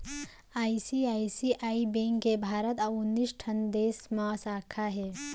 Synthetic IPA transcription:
aːisiaːisiʔaːibẽŋkkebʱaːɾət̪aʊnːisʈʰɐ̃nd̪eːsmãsaːkʰaɦeː

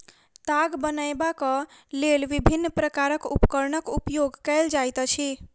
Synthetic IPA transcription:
t̪aɡbənəjbakəlelʋibʱinːpɾəkaɾəkṵpkəɾnəkupjoɡkɛld͡ʒajt̪t͡ʃʰi

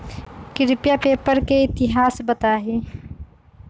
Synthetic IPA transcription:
kɪɾɪpjapeːpəɾkeɪt̪ɪɦaːsbət̪aɦeː

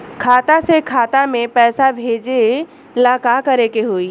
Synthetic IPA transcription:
kʰaːt̪asekʰaːt̪amẽpɛːsabʱeːd͡ʒe | laːkakɐɾekeɦoːiː

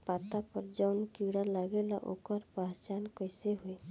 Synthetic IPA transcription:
pat̪apɔɾd͡ʒawnkiɽalaɡɛla̰ʔo̰kɔɾpaɦt͡ʃankɔjseɦuj

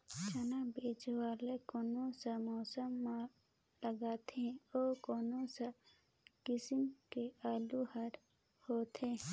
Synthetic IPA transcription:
t͡ʃanabeːd͡ʒʋaːlekoːnõsəmɔːsəmːa | ləɡaːt̪ʰẽoːkoːnosa | kɪsɪmkeaːluhəɾ | hoːt̪ʰẽ

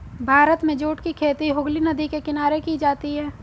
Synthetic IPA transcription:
bʱaːɾət̪mẽd͡ʒoːʈkikʰeːt̪iɦʊɡlinɐd̪ikekɪnaːɾekid͡ʒaːt̪iɦɛː

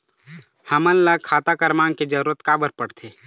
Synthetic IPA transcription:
həmənləɡ̚kʰaːt̪akəɾmaːŋked͡ʒəɾuːɾət̪kaːbəɾpəɽt̪ʰeː

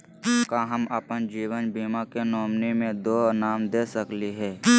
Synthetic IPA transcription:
kaɦəməpənd͡ʒiːwənbiːmakenɔːmnimẽd̪oːnaːmd̪eːsəkliɦɛː

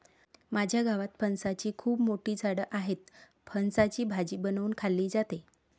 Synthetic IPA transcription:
mad͡ʑʱjaɡaʋat̪pʰənsat͡ɕiːkʰuːbmoʈiːt͡sʰaɽəʔaɦet̪ | pʰənsat͡ɕiːbʱad͡ʑiːbənʋuːnkʰalːiːd͡zat̪e

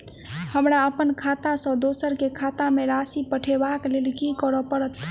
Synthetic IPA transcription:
həmɾaəpənkʰat̪asə̃d̪osəɾkekʰat̪ameɾasipəʈʰebaklelkikəɾɔpəɽət̪

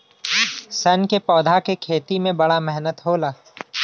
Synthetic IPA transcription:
sɐnkepɔːd̪ʱakekʰeːt̪imẽbɐɽamɛɦnət̪ɦoːlaː

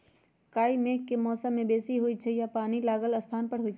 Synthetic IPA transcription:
kaːimẽkːemɔːsəmːẽbeːsiɦʊit͡ʃʰɛjapaːnilaːɡəlɐst̪ʰaːnpəɽɦʊit͡ʃʰɛ

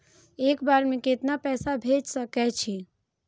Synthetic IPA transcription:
eːkbaːɾmẽket̪napɛːsabʱed͡ʒsəkɛt͡ʃʰi

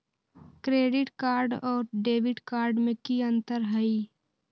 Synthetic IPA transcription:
kɾeːɖɪʈkaːɾɖɔːɾɖeːʋɪʈkaːɾɖmẽkiə̃nt̪əɾɦəi

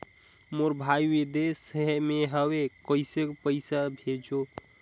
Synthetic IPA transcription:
moɾbʱaiwid̪esəɦmeɦəwekəɪsekpəɪsabʱed͡ʒo

